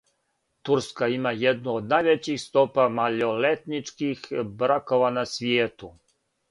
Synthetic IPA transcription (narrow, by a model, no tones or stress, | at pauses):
t̪uɾskaimajed̪nuod̪najʋet͡ɕixst̪opamaʎolet̪nit͡ʂkixbɾakoʋanasʋjeːt̪u